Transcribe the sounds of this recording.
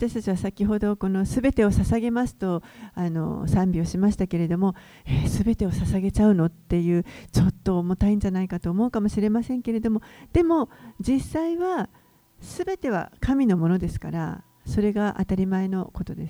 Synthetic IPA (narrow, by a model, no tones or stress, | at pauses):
βat̪aɕi̥t̪at͡ɕiβasakʲiɦo̞d̪o̞ko̞no̞sɨbe̞t̪e̞o̞sasaɡe̞masɨ̥t̪o̞ano̞̰sãmʲbʲio̞ɕimaɕi̥t̪ake̞ɾe̞d̪o̞mo̞ | esɨbe̞t̪e̞osasaɡe̞t͡ɕaɯ̟no̞t̪ːe̞jɯ̟ːt͡ɕo̞t̪ːo̞mot̪aĩɲ̟d͡ʑanaikat̪o̞ːmo̞ɯ̟kamo̞ɕiɾe̞masẽ̞ŋke̞ɾe̞d̪o̞mo̞d̪̥e̞mo̞d͡ʑisːaiβa | sɨbe̞t̪e̞β̞a̰kamʲino̞mo̞no̞d̪e̞sɨ̥ka̰ɾa̰ | so̞ɾe̞ɡaʔa̰t̪aɾʲimae̞no̞ko̞t̪o̞d̪e̞sɨ̥